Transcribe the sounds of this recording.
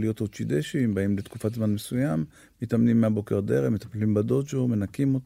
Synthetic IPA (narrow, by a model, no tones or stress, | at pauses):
lijo̞t̪ot͡ʃid̪eʃimbaimlet̪ku̥fat̪zmanmesujamː | it̪amnimːeabo̞ke̞ʁd̪eʁemet̪aplimbad̪od͡ʒome̞nakimot